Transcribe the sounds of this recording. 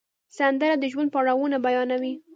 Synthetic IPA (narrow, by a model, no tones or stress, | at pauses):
sand̪əɾad̪əʒwand̪̚paɽawunabajɑnawi